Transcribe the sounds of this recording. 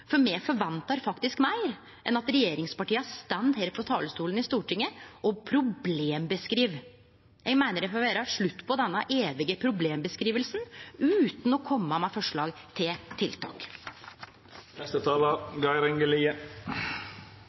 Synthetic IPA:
fɔɾmɛfɔɾʋɛnt̪ɑɾfɑkt̪ɪskmæɪɾ | ʔɛnɑt̪ɾɛjeːɾɪŋspɑʈiːəæst̪ɛnd̪heːɾfɔt̪ʰɑ̰ːləst̪uːlənɪst̪uːʈɪŋːəʔɔpʰɾʊbleːmbəskɾiːʋ | jæɡmæɪnəɾɛfɔʋæːɾɑʂɭʉt̪ːpʰɔd̪ɛnːɑʔeːʋɪɡəpʰɾʊbleːmbəskɾiːʋəlsnʉːt̪nɔkʰɔmːəmɛfɔʂɭɑːɡ | t̪ʰɪlt̪ʰɪlt̪ʰɑ̰ːk | nɛst̪ət̪ʰɑːlɑɡɑɪɾɛŋɡəliːə

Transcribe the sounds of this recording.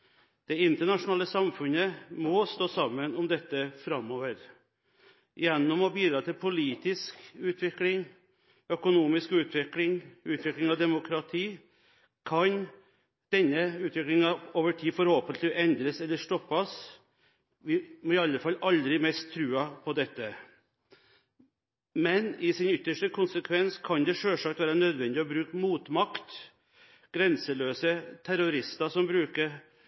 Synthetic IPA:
d̪̥ɛɪnt̪əɳɑʂʊnɑːləsɑmfʉnəmɔst̪oːsɑmːənɔmd̪ɛt̪ːəfɾɑmːoːʋəɾ | jɛnːɔmɔbiːd̪ɾɑːt̪ʰɪlpʰʊliːt̪ɪskʉːt̪ʰʋɪklɪŋ | œkʊnuːmɪskʉːt̪ʰʋɪklɪŋʉːt̪ʋɪklɪŋɑʋd̪ɛmʊkʰɾɑt̪ʰiː | kʰɑn | d̪̥ɛnːəʉːt̪ʋɪklɪŋɑoːʋəʈʰiːfɔɾhoːpənt̪lɪʔɛnd̪ɾəsɛlːəʂʈɔpːɑs | ʋɪmɔɪɑlːəfɑlːʔɑld̪ɾɪmɛst̪ʰːɾʉːɑpʰɔd̪ɛt̪ːə | mɛnɪsɪnʏt̪ːəʂʈəkʰʊnsəkʰʋɛnskʰɑnd̪ɛʂøːʂɑːkt̪ʋæːɾənœd̪ʋɛnd̪ɪɔbɾʉːkəmuːt̪mɑkt̪ | ɡ̥ɾɛnsəɭøːsət̪ʰæɾʊɾɪst̪ɑsɔmbɾʉːkəɾ

